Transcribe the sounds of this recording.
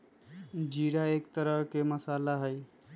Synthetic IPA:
d͡ʒiɽaekt̪əɾəɦkeməsalaɦəj

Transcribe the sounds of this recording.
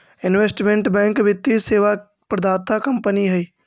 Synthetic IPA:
ɪnʋesʈmẽɳʈbɛ̃ːŋkʋɪt̪ːiseːʋa | pɾəd̪aːt̪ʰakəmpəniɦɛiː

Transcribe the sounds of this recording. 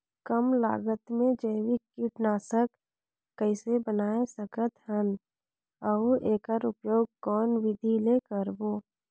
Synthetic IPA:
kəmla̰ːɡət̪mẽd͡ʒəɪwikiʈnaːsəkː | əɪsebənaːesəkət̪hən | əuʔeːkəɾʊpjoːɡ̚kɔːnʋɪd̪ʱileːkəɾboː

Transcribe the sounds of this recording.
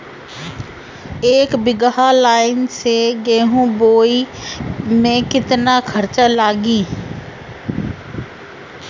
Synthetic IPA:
eːkbɪɡɦaːlaːɪnseːɡeːɦũːboːi | mẽːkɪt̪naːkʰəɾt͡ʃalaːɡĩː

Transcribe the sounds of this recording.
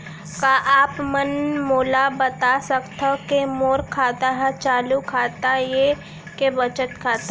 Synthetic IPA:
kaʔaːpmənmoːlabət̪asəkt̪ʰəkemoːɾkʰaːt̪aɦɛt͡ʃaːlukʰaːt̪aje | kebət͡ʃət̪kʰaːt̪a

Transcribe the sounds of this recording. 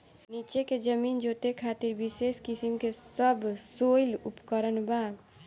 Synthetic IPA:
nit͡ʃeked͡ʒəmind͡ʒot̪ekʰat̪iɾbiseskisimkesəbsojlupkəɾənba

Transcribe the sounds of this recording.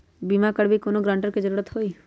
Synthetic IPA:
bimakəɽbʱikoːnoɡɾãːɳʈəɾked͡ʒəɾuːɾət̪hoːi

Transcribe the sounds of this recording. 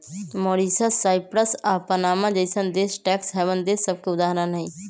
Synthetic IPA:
moːɾisasːaːɪpɾəsaːpənaːmãd͡ʒəɪsənd̪eːsʈɛːksɦɛbənd̪eːsːəb̚keʊd̪aːɦɾənɦĩ

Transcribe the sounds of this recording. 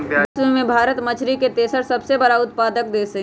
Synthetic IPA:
mẽbʱaːɾət̪mɐt͡ʃʰɾiket̪eːsəɾsɐbsebɐɽaʊt̪̚paːd̪əkd̪eːɐ

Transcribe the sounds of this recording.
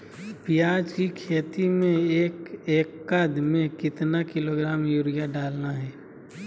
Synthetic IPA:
pijaːd͡ʒkikʰeːt̪imẽeːkeːkːad̪mẽkɪt̪nakɪloːɡɾaːmjuɾijaɖaːlnaɦɛː

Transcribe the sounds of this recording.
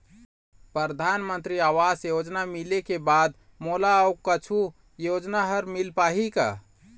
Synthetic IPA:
pɾəɾd̪ʱanmənt̪ɾiaʋasjod͡ʒnamilekebad̪ | molaukət͡ʃʰu | jod͡ʒnaɦəɾmilpaɦika̰

